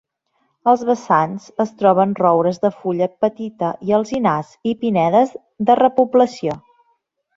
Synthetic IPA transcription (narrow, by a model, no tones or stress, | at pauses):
əlˠzβəsanz̥əst̪ɾɔβ̞ənrɔwɾəzðəfuʎəpət̪it̪əʔiəlˠzinazipinɛðəz | ðərəpubləsio